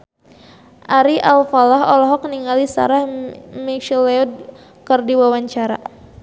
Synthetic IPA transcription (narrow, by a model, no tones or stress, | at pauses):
ʔaɾiʔalfalaɦɔlɔɦɔkniŋalisa̰ɾahmikʃileɔd̚ | kərdiwawaɲt͡ʃaɾa